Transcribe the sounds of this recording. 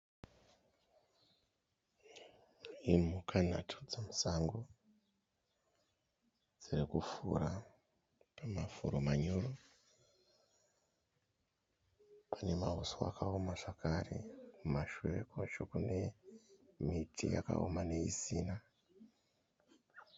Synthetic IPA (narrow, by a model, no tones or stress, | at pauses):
imukʰan̤atʰu̥d͡zamusaŋɡo | d͡zirikufṵɾa | pamafuɾomaɲoro | pʰane̞maɦosoa̰kaomaʐakarḛkumaʃuwʋekoʃokune̞ | mitʰḭja̰ka̰omane̞ḭsiːna